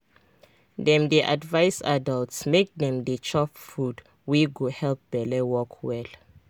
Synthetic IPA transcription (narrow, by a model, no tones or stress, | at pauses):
dɛ̃mdɛʔa̰dvajsadaltsmek̚dɛ̃mdɛt͡ʃʰɔpfud | wiɡuhɛlp̚bɛlɛwɔkʰwɛl